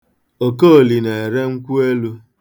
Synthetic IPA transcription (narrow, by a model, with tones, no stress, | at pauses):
o˨ko˦o˨li˨ne˨e˨ɾe˦ŋ̩˦kʷu˦e˦lu˦